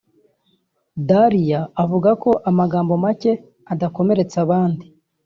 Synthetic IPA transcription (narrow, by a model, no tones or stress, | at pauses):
daɾijaːvuɡako̞ʔamaɡaːmbo̞mace̞ | adako̞me̞ɾe̞t͡saβaːndi